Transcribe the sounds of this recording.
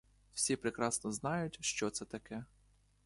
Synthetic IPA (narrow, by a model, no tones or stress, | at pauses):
w̥sʲipɾekɾɑsnɔznɑjʊtʲʃt͡ʃɔt̪sɛt̪ɐkɛ